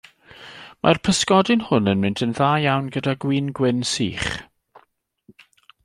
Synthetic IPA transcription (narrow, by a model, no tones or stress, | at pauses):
mʔa̰rpʰəskɔdɪnhʊnənmɪndʰənðaːjawnɡədaɡwiːnɡwɪnsḭːχ